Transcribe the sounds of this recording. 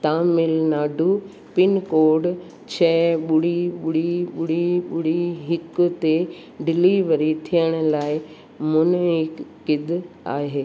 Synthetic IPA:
t̪aːmɪlnaːɖʱu | pɪnkoːɖ | t͡ɕʰɛːɓʊɽiɓʊɽiɓʊɽiɓʊɽiɦɪkʊt̪e | ɖɪliʋəɾit̪ʰijəɽ̃ʊ̆laːɪ | mʊnɪkː | ɪd̪ | a̰ːɦeː

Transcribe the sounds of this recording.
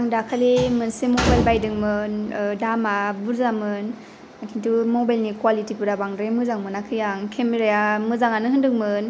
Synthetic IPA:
aŋdakʰalimɯnsimobajlbajdɯŋmɯndamabuɾzamɯn | akʰintumobajlnikwalitipɯɾabaŋdɾemɯzaŋmɯnakʰɯjaŋkʰemeɾajamɯzaŋanɯɦɯndɯŋmɯn

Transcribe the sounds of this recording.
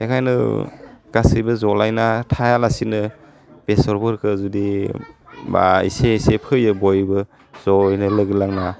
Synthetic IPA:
ekʰajnɯ̰ɡ̥asɯjbɯzɔlajnatʰajalasinɯ | b̥esɔɾbɯɾkʰɯzudi | ba̰ḭsesepʰɯjɯbɔjbɯ | zɔjnɯlɯɡlaŋna

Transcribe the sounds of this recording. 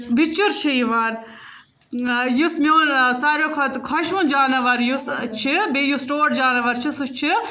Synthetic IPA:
bit͡ʃːuɾt͡ʃʰiiʋaːɾ | jusmʲeːnsaːɾoːkʰɐt̪kʰɐʃũnd͡ʒaːnɐʋɐɾjust͡ʃʰibijusʈoːʈd͡ʒaːnɐʋɐɾt͡ʃʰisut͡ʃʰi

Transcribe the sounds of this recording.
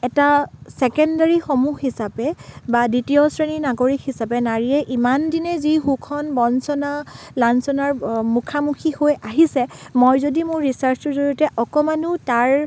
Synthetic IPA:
ɛtasɛkɛndaɹixomuxisapɛbaditijɔsɹeninaɡoɹikhisapɛnaɹiɛʔimandinɛziɦukʰɔnbɔnsɔna | lansɔnaɹmukʰamukʰihojaɦisɛmojzodimʊɹːisaɹsuzoɹɔtɛʔɔkɔmanʊtaɹ

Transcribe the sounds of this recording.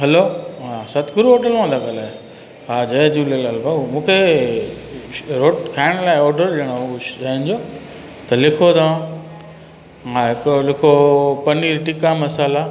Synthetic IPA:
ɦɐloːɦãːsɐt̪ɡʊɾuɦoːʈəlʋãːnd̪ʱaɠɐlaːe | ɦaːd͡ʑɐẽd͡ʑuːləlɐlbaumũːkʰe | ɾoːʈkʰaːɪɽ̃laːɪɔːɾɖəlɗəɽ̃oaɦɪ̃nd͡ʑoː | t̪ɐlɪkʰot̪ʰaã | ɦãɦɪkolɪkʰopɐniːɾʈikamɐsaːla

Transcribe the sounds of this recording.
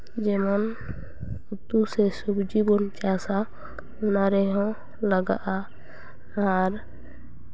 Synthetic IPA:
d͡ʒɛmən | ut̪usesubd͡ʒibɔnt͡ʃasa | ʊnaɾɛɦɔ̃ | ləɡa̰ʔa | aɾ

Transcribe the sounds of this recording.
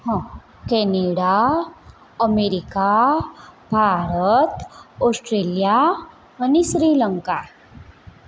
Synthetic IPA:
ɦã | kɛneɽa | əmeɾika | bʱaɾət̪ɔsʈɾeːlija | ʋəniɕɾiːləŋka

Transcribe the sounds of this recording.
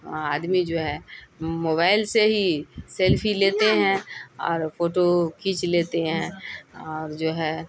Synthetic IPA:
aːd̪mid͡ʒoːɦɛmoːβaːɪlseɦiselpʰileːt̪eɦɛ̃ɔ̰ːɾpʰoːʈokʰiːt͡ʃleːt̪eɦɛ̃ɔːɾd͡ʒoːɦɛ

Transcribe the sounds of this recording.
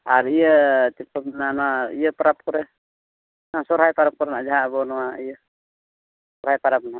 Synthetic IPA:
aɾijət̪iɔmnanaijəpaɾap̚kɔɾɛ | nasɔɾɦajpaɾap̚kɔɾɛnad͡ʒaɦabɔnɔwaijə | sɔɾhajpaɾap̚na

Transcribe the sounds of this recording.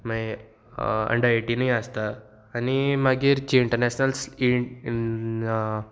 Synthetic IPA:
mai | ə̰ɳɖaiʈinajast̪aː | nimaɡiːɾt͡ɕiːɳʈəɾneɕnəlsi

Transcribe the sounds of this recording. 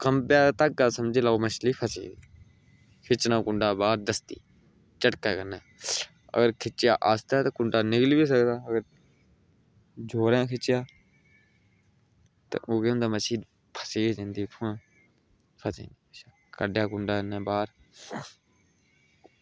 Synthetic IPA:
kəmpɪjaːt̪ək̚ːaːsəmd͡ʒeːlaːoːməʃliːpʰəsḛːi | kʰɪt͡ʃnãːkʊɳɖaːbaːɾd̪əst̪ḭː | t͡ʃəʈkaːkənaː | ə̰ɡəɾkʰɪt͡ʃːja̰ːʔaːst̪aːt̪aːkʊɳɖaːnɪkliːbiːs̬əkd̪aːəɡəɾ | d͡ʒʱoːɾãːkʰɪt͡ʃːɪjaː | t̪ã̰ʔoːkeːʊ̃nd̪aːməʃiːd | pʰəseːeːd͡ʒẽːnd̪iːʈʰuːãː | pʰəsḛːniːəʃa | kəɖjaːkʊɳɖaːnːẽːbaːɾ

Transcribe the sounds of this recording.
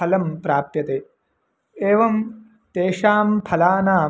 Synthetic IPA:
ɐlɐmpɾaːpjɐt̪eː | eːʋɐm | t̪eːʂaːmpʰɐlaːnaː

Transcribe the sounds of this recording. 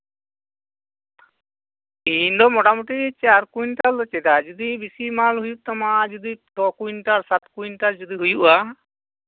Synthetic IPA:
ind̪ɔmɔʈamuʈit͡ʃaɾkuinʈald̪ɔt͡ʃɛd̪ad͡ʒud̪ibisimalɦujuʔt̪amad͡ʒud̪it̪ɔkuinʈaɾsat̪kuinʈald͡ʒud̪iɦujuʔa

